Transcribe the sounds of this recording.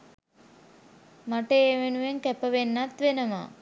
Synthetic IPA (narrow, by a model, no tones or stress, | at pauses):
maʈəeːʋenuʋeŋkæpəʋenːat̪ʋenəma̰